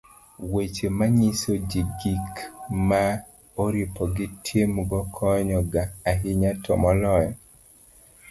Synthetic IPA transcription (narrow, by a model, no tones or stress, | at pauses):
wet͡ʃemaɲisod͡ʒiɡikma | oɾipɔɡɪtʰjemɡɔkʰɔɲɔɡaːɦɪɲatʰɔmɔlɔjɔ